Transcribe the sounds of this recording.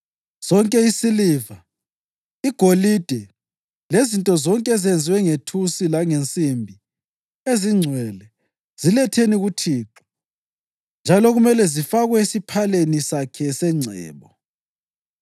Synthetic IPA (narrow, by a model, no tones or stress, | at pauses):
z̥ɔŋkʼɛisiliva | iɡ̥ʱolid̥ʱɛ | lezintʼɔzɔŋkʼɛzend͡zʱiwɛŋetʰusilaŋent͡sʼimbʱi | eziŋ͡ǀʱwɛlɛ | z̥ilɛtʰeniɣutʰiːǁɔ̥ | nd͡ʒʱalɔɣumɛlɛzifaɣwɛisipʰalenisakʰɛsɛŋ͡ǀʱɛ̰ːβɔ